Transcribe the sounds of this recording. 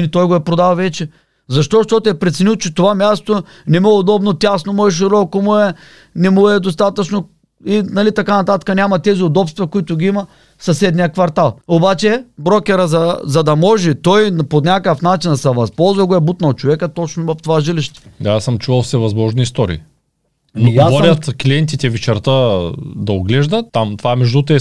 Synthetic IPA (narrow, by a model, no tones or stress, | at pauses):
lit̪ɔjɡoɛpɾod̪alˠvɛt͡ʃɛ | zɐʃt̪ɔʃt̪ɔt̪oɛpɾɛt̪sɛnilˠt͡ʃɛt̪ovamʲjast̪o | nɛmɛod̪ɔbnot̪ʲasnomoɛʃ̬iɾɔkomuɛ | nɛmuɛd̪ost̪at̪ɐt͡ʃno | inɐlit̪ɐkanɐt̪at̪kɐnʲamɐt̪ɛziod̪ɔpst̪vɛkʊit̪ʊɡʲiimɐ | sɐsɛd̪nijəkvɐɾt̪alˠobat͡ʃɛbɾɔkʲɛɾəzɐzɐd̪ɐmɔʒɛt̪ɔjnponʲakəfnat͡ʃind̪ɐsɐvɐspɔlˠzvɐɡoɛbut̪nɐlˠt͡ʃovɛkət̪ɔt͡ʃnovɐft̪ovaʒiliʃt̪ɛ̥d̪aasɐmt͡ʃuvɐlˠfsɛvɐzmɔʒniːst̪ɔɾḭː | noɡavɔɾʲɐt̪kliɛnt̪̬it̪ʲɛvɛt͡ʃɛɾt̪əd̪ɐoɡlɛʒd̪ɐt̪ːamt̪ovaɛmɛʒd̪ut̪ɛ